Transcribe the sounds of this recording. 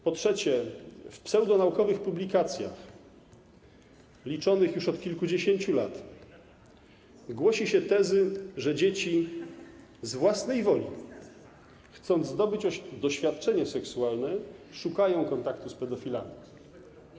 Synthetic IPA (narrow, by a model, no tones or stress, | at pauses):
pɔtʂɛt͡ɕɛfpsɛwd̪ɔnaukɔvɘxpublʲikat̪sʲja̰x | lʲit͡ʂɔnɘxjuʂɔt̪kʲilkud͡ʑeɕeɲt͡ɕulat̪ | ɡwɔɕiɕɛt̪ɛzɘʐɛd͡ʑet͡ɕi | zvwasnɛjvɔlʲḭ | xt̪sɔnd̪zd̪ɔbɘt͡ɕɔd̪ɔɕfʲjat̪̚t͡ʂɛɲasɛksualnɛʂukajɔ̃w̃kɔnt̪akt̪uspɛd̪ɔfʲila̰mʲi